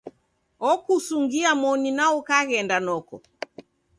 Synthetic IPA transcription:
ɔkusuŋɡiamɔninaɔkaɣɛndanɔkɔ̰

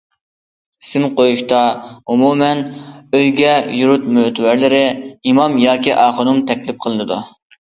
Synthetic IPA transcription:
sɪmqojuʃt̪ɑumumɛnøjɡʲɛjuɾut̪møt̪ʰwæɾlɪɾɪimɑmjɑːkʲiʔɑːχʊnumt̪ʰɛkʲlɪp̚qʰəlˠɨnɨd̪ṵ

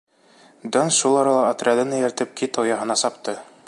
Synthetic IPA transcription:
d̪onsʃulˠɑɾɑlˠɑot̪rʲɪad̪ɤnɘjæɾt̪ɘp̚kit̪owjɑɦɤ̆nɑsɑpt̪ɤ

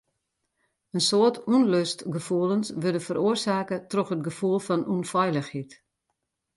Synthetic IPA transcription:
ənsoətʰunløstɡəfuəlˠənsʋødəfəɾʔoərsaːkətrɔxət̚ɡəfulˠfɔnunfɔjləxhit

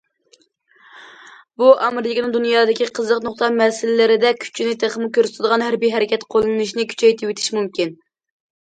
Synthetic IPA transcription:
buʔɑmɾɪkʲnɨŋd̪unjɑːd̪ɪkʲiqʰəzlˠəqnʊχt̪ɑmɛsɪlɪlɪɾɪd̪ɛkʲʰy̥t͡ʃʰinɪt̪ʰeχmɨkʲøɾsɪt̪ʰd̪əʁɑnɦæɾbiɦɛɾɪkʲɛt̪qʰolˠɨnɨʃnɪkʲʰy̥t͡ʃʰɛjt̪ʰɪwet̪ʰɪ̥ʃmumkʲin

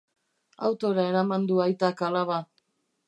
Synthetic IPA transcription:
a̰wt̪o̞ɾae̞ɾamand̪uajt̪akalaβa

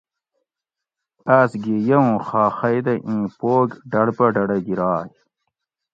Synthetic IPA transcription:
asɡijɐwũxɑːxɐjd̪ɐʔĩːpoːɡɖɐɽpɐɖɐɽɐɡiɾɑːj

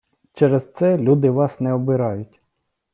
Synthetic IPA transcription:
t͡ʃɛɾezt̪sɛlʲud̪ɪʋɑsnɛɔbɪɾɑjʊtʲ

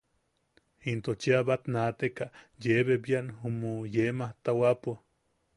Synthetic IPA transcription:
int̪ot͡ʃiaβat̪nat̪ekaʔjeβebjaʔnhumojemaht̪awapo

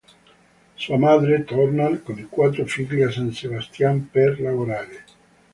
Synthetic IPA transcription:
suamaːd̪ɾet̪ɔrnalkonikwat̪ːɾofiʎasansebast̪jamperlavoɾaːɾe

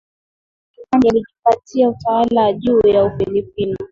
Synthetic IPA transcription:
kikanialiʄipatiautawalawaʄuːjaufilipini

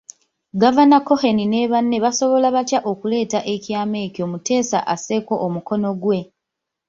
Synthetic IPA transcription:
ɡavanako̞xe̞nine̞βanːe̞βaso̞βo̞laβatjaʔo̞kule̞ːtaʔe̞cjaːme̞ːco̞mute̞ːsa̰ʔase̞ko̞ʔːmuko̞no̞ɡwe̞

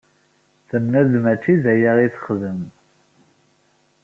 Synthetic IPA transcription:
θəmnæðmæt͡ʃːizæjæʁiθə̥χðəm

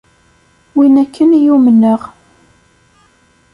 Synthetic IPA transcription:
winækʰːənjumənːəʁ

